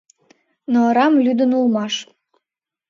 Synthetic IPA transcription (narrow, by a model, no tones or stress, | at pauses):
noɑɾɑmlyd̪ənulˠmɑʃ